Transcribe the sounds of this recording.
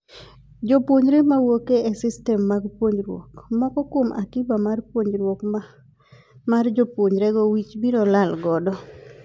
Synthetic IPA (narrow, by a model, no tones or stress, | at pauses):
d͡ʒopwoɲɾemawokeɛsɪstɛmːaɡpwoɲɾwo̰kmɔkɔkwomʔa̰kibamarpwoɲɾwok | mard͡ʒɔpwoɲɾeɡɔwit͡ʃbiɾɔlalɡɔdɔ